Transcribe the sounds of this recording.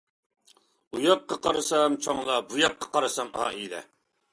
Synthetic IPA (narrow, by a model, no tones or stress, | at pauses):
ujɑqːɑqʰɑɾɨsɑmt͡ʃʰoŋlˠɑbujɑqʰːɑ̥qɑɾɨsɑmɑ̰ːilɛ̰